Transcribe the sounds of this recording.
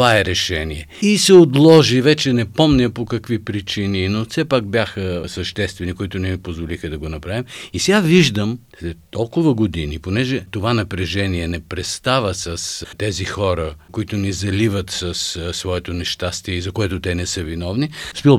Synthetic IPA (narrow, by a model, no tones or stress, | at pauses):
vaɛɾɛʃɛniɛisɛot̪lˠɔʒivɛt͡ʃɛnɛpɔmnɛpokɐkvipɾit͡ʃininofsɛpak̚bjaxəsɐʃt̪ɛst̪vɛnikoit̪ʊnɛmipozvolixəd̪ɐɡonɐpɾavimisɛɡaviʒd̪əmslɛt̪ːɔlˠkʊvɐɡod̪iniponɛʒɛt̪ovanɐpɾɛʒɛniɛnɛpɾɛst̪avəsɐst̪ɛzixɔɾəkoit̪ʊnizɐlivət̪sɐssvɔɛt̪onɛʃt̪ast̪iɛizɐkoɛt̪ʊt̪ɛnɛsəvinɔvnispilˠ